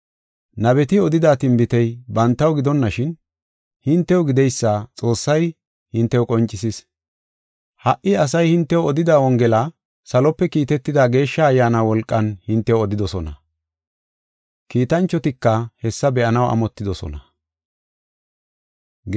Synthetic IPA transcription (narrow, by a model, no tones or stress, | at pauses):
nɐβɛt̪ɪɔd̪ɪd̪aːt̪ɪmbɪt̪ɛjbɐnt̪ːɐwɡɪd̪ɔnːɐʃɪn | hɪnt̪ːɛwʊɡɪd̪ɛjsːaːt͡sʼo̞ːsːɐj | hɪnt̪ːɛwkʼɔnt͡ʃʼːɪsɪs | hɐʔɪɐs̬ɐjhɪnt̪ːɛwɔd̪ɪd̪aːwɔŋɡɛla | sɐlɔpːɛkiːt̪ɛt̪ːɪd̪aːɡe̞ːʃːɐːjːaːnaːwɔlkʼːɐnhɪnt̪ːɛwɔd̪ɪd̪ɔsɔnɐ | kiːt̪ɐnt͡ʃːɔt̪ɪkːɐhɛsːɐbɛʔɐnɐwʔɐ̰mɔt̪ːɪd̪ɔsɔ̰nɐ